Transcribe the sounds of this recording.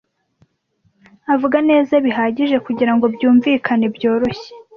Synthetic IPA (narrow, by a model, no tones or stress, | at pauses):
avuɡane̞ːzaβiɦaːɟiʒe̞kuɟiɾaŋɡo̞bjuːɱviːkʰane̞bjo̞ːɾo̞çe̥